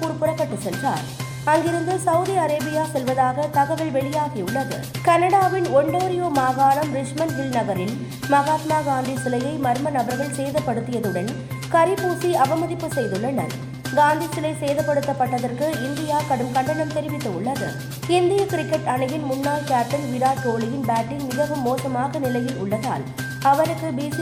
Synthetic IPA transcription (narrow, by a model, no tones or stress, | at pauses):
pʊɾpːɯɾɐkːɐʈːɯsɛlraːɾ | ɐŋɡɪɾɯnd̪ɯsɐʋʊðiɐɾeːbɪjaːsɛlʋɐðaːɣɐt̪ɐɣɐʋɪɭʋɛɭɪjaːɣiʊɭːɐðɯ̰ | kɐnɐɽaːʋɪnɔɳɖoːɾɪjoːmaːɣaːɭɐmɾɪt͡ʃmɐnʋɪlnɐɣɐɾɪl | mɐɣaːt̪maːɡaːnd̪isɪlɐjɐɪmɐɾmɐnɐbɐɾɣɐɭseːðɐpːɐɽɯt̪ːɪjɐðɯɽɐn | kɐɾɪpːuːsiɐbɐmɐðɪpːɯsɛjðɯɭːɐnɐɾ | ɡaːnd̪isɪlɐɪseːjðɐpːɐɽɯt̪ːɐpːɐʈːɐðɐrkɯɪnd̪ɪjaːkɐɽɯmkɐɳɖɐɳɐmt̪ɛɾɪʋɪt̪ːɯʊɭːɐðɯ | ɪnd̪ɪjɐkɪɾɪkːɛʈɐɳɐjɪnmʊnːaːlkaːʈːɐnʋɪɾaːt̪oːɭɪjɪnbaːʈːɪnmɪɣɐʋɯmːoːsɐmaːɣɐnɪlɐjɪlʔʊɭːɐða̰ːl | ɐʋɐɾɯkːɯbiːsi